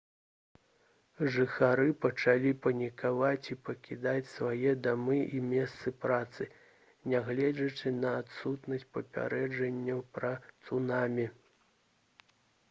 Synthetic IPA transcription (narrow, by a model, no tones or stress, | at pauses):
ʐɨxaɾɨpɐt͡ʂalʲipɐnʲikavat͡sʲipɐkʲid̪at͡sʲsvajɛd̪amɨʔimʲɛst̪sɨpɾat̪sɨ | nʲaɣlʲɛd͡zʲɐt͡ʂɨnɐat̪sut̪nɐsʲt̚ʲpɐpʲa̰ɾɛd͡ʐɐnʲːɐwpɾɐt̪sunamʲi